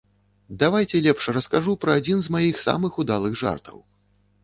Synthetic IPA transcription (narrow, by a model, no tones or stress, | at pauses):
d̪avajt͡sʲɛlʲɛpʂrɐskaʐupɾɐːd͡zʲinzmajixsa̰mɨxud̪alˠɨɣʐa̰rt̪ʰɐ̰w